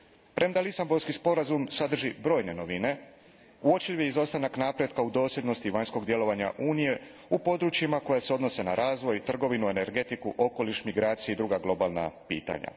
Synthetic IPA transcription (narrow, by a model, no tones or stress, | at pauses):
pɾʔemd̪alisambo̞ɾskispo̞ɾazumsad̪r̩ʒibɾo̞ːjne̞no̞ʋine̞ | uo̞t͡ʃiʋjeizo̞st̪anaknapɾjed̪kaud̪o̞ːsjʲe̞d̪no̞st̪iʋaɲsko̞ɡd̪je̞lo̞ʋaɲa̰ʔuːnije̞ | upo̞d̪ɾut͡ʃimako̞jaseo̞d̪no̞se̞na̰ɾʔaːzʋo̞jt̪r̩ɡo̞ʋinue̞ne̞ɾɡe̞t̪ikuʔo̞ko̞liʃmiɡɾaːt̪sijeid̪ɾuɡaɡlˠo̞balˠna̰pḭːt̪a̰ɲa̰